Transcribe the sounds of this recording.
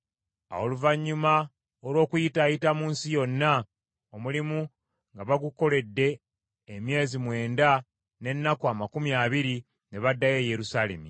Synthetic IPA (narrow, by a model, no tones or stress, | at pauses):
a̰oluvaɲːuma | olwo̞ːkujitaːjitamuːnsijo̞nːa | omulimu | ŋɡaβaɡuko̞le̞dːe̞ː | mje̞ːzimwe̞ːnda | ne̞nːakuamakumjaːβiɾi | ne̞βadːaje̞ːje̞ɾusaːle̞̰mi